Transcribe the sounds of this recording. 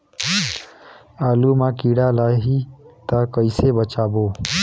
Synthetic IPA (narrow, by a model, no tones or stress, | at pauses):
aːlumãkiɽalaɦit̪əkəɪsebət͡ʃaːbo